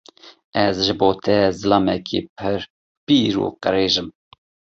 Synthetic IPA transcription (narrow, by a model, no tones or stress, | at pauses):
ɛzʒɨboːt̪ʰɛzɨlɑːmɛkʰḭːpʰɨɾ | piːɾṵːqəɾeːʒɨm